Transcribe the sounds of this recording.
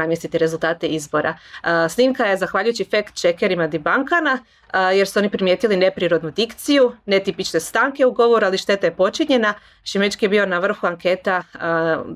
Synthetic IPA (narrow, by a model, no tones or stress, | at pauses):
amjesit̪iɾe̞zulˠt̪aːt̪e̞izbo̞ɾa̰sniːmkaje̞zaxʋaːʎujut͡ɕifekt̪t͡ʃekeɾimad̪ibaŋkana | je̞ɾsuo̞nipɾimje̞ːt̪iline̞pɾiɾo̞d̪nud̪ikt̪sijunet̪ipit͡ʃne̞st̪aŋke̞uɡo̞ʋo̞ɾualiʃt̪e̞t̪ajepo̞t͡ʃiɲe̞na | ʃimet͡ʃkijebio̞naʋr̩xuaŋke̞t̪a